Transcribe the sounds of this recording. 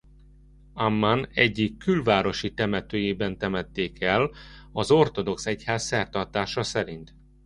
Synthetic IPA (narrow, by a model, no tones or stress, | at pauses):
amːanɛɟːikːylvaːɾo̞ʃit̪ɛmɛt̪øːjeːbɛnt̪ɛmɛt̪ːeːkɛlɒzo̞rt̪o̞d̪o̞ksɛchaːsːɛrt̪ɒrt̪aːʃɒsɛɾint̪